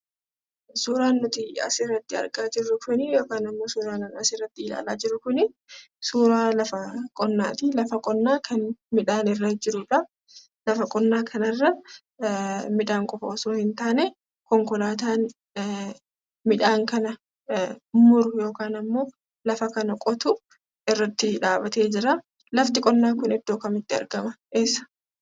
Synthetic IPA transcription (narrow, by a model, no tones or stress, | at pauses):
suːɾaːnːʊt̪ɪɐ̰sɪrːɐt̪ːɪɐ̰ɾɡʼaːd͡ʒɪrːʊkʊnɪjo̞ːkaːnɐmːo̞ːsuːɾaːnɐnɐsɪrːɐt̪ːɪɪla̰ːlaːd͡ʒɪɾːʊkʊnɪ | suːɾaːlɐfɐkʼɔnːaːt̪ɪlɐfɐkʼɔnːaːkʰɐnmɪᶑaːnɪrːɐd͡ʒɪɾʊᶑɐ | lɐfɐkʼɔnːaːkʰɐnɐrːɐ | mɪᶑaːŋkʼɔfɐːsʊnhɪnt̪aːnɛ | kɔŋkɔlaːt̪aːn | mɪᶑaːŋkɐnɐ | mʊɾʊjo̞ːkaːnɐmːo̞ː | lɐfɐkɐnɐkʼɔt̪ʊ | ɪrːɐt̪ːɪᶑaːbɐt̪e̞ːd͡ʒɪɾa | lɐft̪ɪkʼɔnːaːkʊnɛd̪̥ːoːkɐmɪt̪ːɪɐ̰ɾɡɐmɐeːsːɐ̥